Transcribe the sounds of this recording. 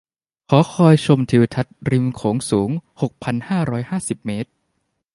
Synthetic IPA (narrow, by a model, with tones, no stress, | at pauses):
kʰɔː˩˦kʰɔː˧jt͡ɕʰo˧mt̪ʰiː˨˩˦wt̪ʰa˦˥t̪̚ɾi˧mkʰoː˩˦ŋsuː˩˦ŋho˨˩k̚pʰa˧nhaː˥˩ɾɔː˦˥jhaː˥˩si˨˩p̚meː˦˥t̪̚